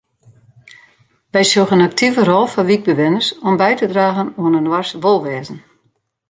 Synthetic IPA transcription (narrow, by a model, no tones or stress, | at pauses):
ʋɛjsolɣənak̚tʰivərɔlˠfɔʋiɡ̚bəʋɪnərsɔmbɛjtədraːɣənuənənwarsʋolˠʋɛːzn̩